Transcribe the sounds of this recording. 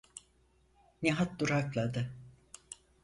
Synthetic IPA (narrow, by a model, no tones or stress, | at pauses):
neɦat̪̚d̪uɾaklˠad̪ɯ